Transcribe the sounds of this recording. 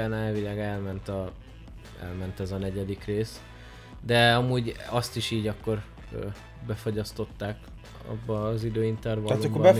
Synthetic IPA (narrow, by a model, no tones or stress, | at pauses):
ɛnaːvilaːɡɛlmɛnt̪ɒ | ɛ̰lmɛnt̪ɛzɒnɛɟɛd̪ikreːs | d̪ɛɒmuːɟɒst̪iʃiːɟɒkːo̞r | ø | bɛfo̞ɟɒst̪o̞t̪ːaːk | ɒ̰bːɒːzid̪øːint̪ɛrvɒalomkːbɒ